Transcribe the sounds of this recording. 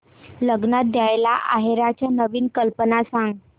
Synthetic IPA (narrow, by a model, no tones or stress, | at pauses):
ləɡnat̪̚d̪jajlaʔaɦeɾat͡ɕjanəʋiːnkəlpənasãŋɡ